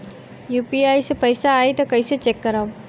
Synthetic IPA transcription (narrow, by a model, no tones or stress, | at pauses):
juːpiaːisepɐjsaːit̪okɐiset͡ʃekːɐɾaːo